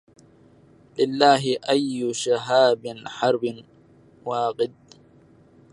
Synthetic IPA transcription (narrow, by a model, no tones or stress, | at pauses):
lɪlːaːɦɪʔajːʊʃaɦaːbɪnħɑɾˤbɪn | waːqɪd̪̚